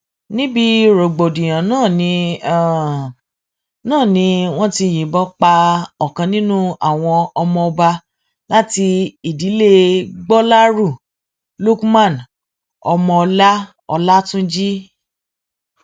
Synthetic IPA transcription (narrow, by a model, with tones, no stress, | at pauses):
nĩ˦bi˧ɾo˨ɡ͡bo˨dĩ˨j̃ã˨nãː˦˨nĩ˧˨ | nãː˦˨nĩ˧˦w̃ɔ̃˦ti˧j̃ĩ˨bɔ˦k͡pa˧ɔ˨kã˧nĩ˦nũ˦a̰˦˨w̃ɔ̃˧ɔ˧mɔ̃˧ɔ˧ba˧ | la˦ti˧i˨di˨˦le˦ɡ͡bɔ˦la˦ɾu˦˨ | lo˦kmã˦˨n | ɔ˧mɔ̃˧ɔ˧la˦ | ɔ̰˧la˦tũ˦d͡ʒi˦